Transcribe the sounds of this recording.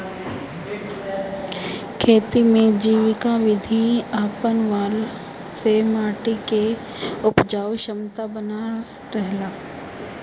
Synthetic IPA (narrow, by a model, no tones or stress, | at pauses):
kʰeːt̪imẽd͡ʒiːʋɪkaʋɪd̪ʱiaːpənʋaːl | semaːʈike | ʊpd͡ʒaːwʃəmt̪abəna | ɾɛɦlaː